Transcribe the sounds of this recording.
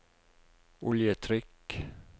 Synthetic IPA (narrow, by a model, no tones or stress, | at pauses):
ʊljət̪ʰɾʏk